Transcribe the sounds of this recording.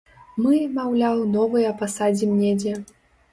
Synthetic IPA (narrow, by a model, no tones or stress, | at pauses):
mɨmawlʲawnɔvɨjɐpasad͡zʲimnʲed͡zʲɛ